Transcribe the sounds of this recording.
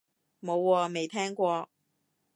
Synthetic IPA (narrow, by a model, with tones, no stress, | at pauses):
mo˧˥ʊwɔ˨˥me˨˥ɪt̪ʰa˥nkwɔ˧˥